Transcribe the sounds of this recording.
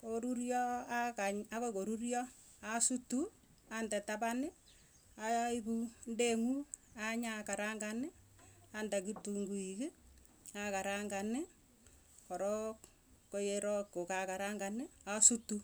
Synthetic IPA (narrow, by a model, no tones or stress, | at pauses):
koɾuɾjɔakaɲakokoɾurjɔ | asutu | andɛtapanɪ | ajaikundeŋuaɲakaɾaŋɡanɪandakituŋɡuikɪ | akaɾaŋɡanɪ | kɔɾɔk | kojeɾɔkːokakaɾaŋɡanɪasutu